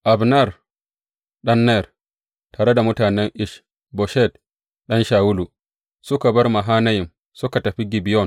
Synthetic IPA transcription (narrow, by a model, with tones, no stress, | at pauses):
ʔa˨bna˦˨r | ɗɐ˦nːɛ˦˨r | taː˨ɾe˦da˨mʊ˦taː˨nɛ˦ŋʔɪ˦ʃ | bɔ˨ʃɛ˦t | ɗɐ˦nʃaː˨wʊ˦lu˨ | sʊ˦ka˨bɐ˦rma˨ɦaː˦nɐ˦jɪ˨m | sʊ˦ka˨tɐ˨ɸi˦ɡi˨bi˨jɔ˦n